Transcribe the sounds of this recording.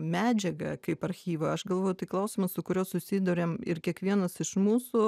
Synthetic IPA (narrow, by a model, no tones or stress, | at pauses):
mʲæːd͡ʒʲɛɡɐkɐɪpɐɾʲxʲiːʋɐɐʃɡɐlˠʋoːjʊt̪ɐɪklˠɐʊsʲɪmɐssʊkʊɾʲoːsʊsʲiːd̪uɾʲeːmɪɾkʲiɛkʋʲiɛnɐsɪʃmuːssʊ